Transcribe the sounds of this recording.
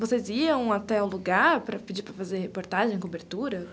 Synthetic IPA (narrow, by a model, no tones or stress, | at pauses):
voseziɐ̃w̃at̪ɛʊ̃luɡaɾpɾɐpid͡ʒipɾɐfazeɾhepoɾt̪aʒẽj̃kobeɾt̪uɾɐ